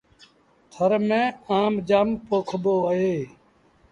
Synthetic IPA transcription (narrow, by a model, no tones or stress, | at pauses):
t̪ʰəɾmẽːaːmd͡ʒaːmpoːkʰəboːəɦeː